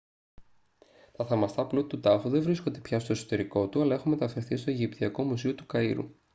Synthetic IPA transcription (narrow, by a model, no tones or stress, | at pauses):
t̪ɐθɐmɐst̪ɐplut̪t̪ut̪ɐfuðe̞vɾisko̞nd̪e̞pçɐst̪oe̞so̥t̪e̞ɾiko̞t̪uɐlɐe̞xunme̞t̪ɐfe̞ɾθist̪o̞eʝipt̪iɐko̞mus̬io̞t̪u̥kɐiɾṵ